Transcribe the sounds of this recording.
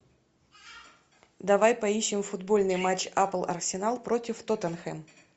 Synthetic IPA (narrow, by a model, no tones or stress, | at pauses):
d̪ɐvajpɐiɕːɪmfʊd̪bo̞lʲnɨjmat͡ɕːaplˠɐ̰rsʲɪnalˠpɾo̞tʲɪft̪ot̪ənxɛm